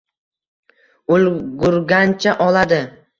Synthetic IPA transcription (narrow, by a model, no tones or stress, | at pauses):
olɡʊɾɡʲant͡ʃʰaʔɒlad̪ɪ